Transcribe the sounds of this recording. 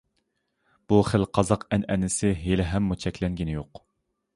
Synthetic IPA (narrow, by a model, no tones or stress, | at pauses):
b̥uχəlqʰɑzɑqɛnɛnɪsɪɦelɪɦɛmːut͡ʃʰɛkʲlɛŋɡʲinɪjoq